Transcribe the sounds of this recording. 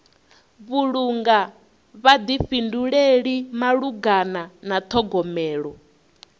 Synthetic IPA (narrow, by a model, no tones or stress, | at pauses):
βuɺuŋɡa | βad̪ifinduɺeɺimaɺuɡananat̪ʰɔɡɔmɛːɺɔ